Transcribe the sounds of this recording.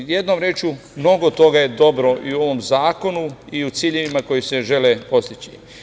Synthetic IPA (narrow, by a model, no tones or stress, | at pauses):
je̞d̪no̞mɾeːt͡ʃu | mno̞ɡo̞t̪o̞ɡaje̞d̪o̞bɾo̞ʔiuo̞ʋo̞mzaːko̞nuiut̪siːʎeʋimako̞jise̞ʒe̞lepo̞st̪it͡ɕḭ